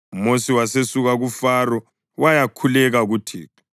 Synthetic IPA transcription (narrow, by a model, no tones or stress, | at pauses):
mosiwasesuɣaɣufarɔ | wajakʰulɛɣaɣutʰḭːpʰḁ